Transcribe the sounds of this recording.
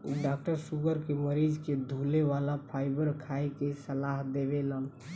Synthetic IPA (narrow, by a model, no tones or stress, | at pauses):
ɖak̚ʈəɾsuɡəɾkeməɾid͡ʒked̪ʱuleʋalapʰajbəɾkʰajkesəlaɦd̪eβelən